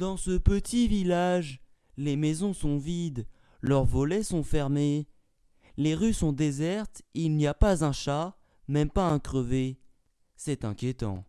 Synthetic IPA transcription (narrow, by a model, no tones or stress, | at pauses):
d̪ɑ̃səpət̪ʰivilaʒ | lemɛzɔ̃sɔ̃vid̪ | lœʁvɔlɛsɔ̃fɛʁme | leʁysɔ̃d̪ezɛʁt̪ilniapazɛ̃ʃa | mɛmpaɛ̃kχəve | sɛt̪ɛ̰̃kʲjet̪ɑ̰̃